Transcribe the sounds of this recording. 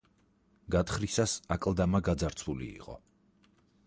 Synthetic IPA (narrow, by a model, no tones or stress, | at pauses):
ɡat̪χɾisasakʼlˠd̪amaɡad̪zaɾt̪sʰulḭːqʼɔ̰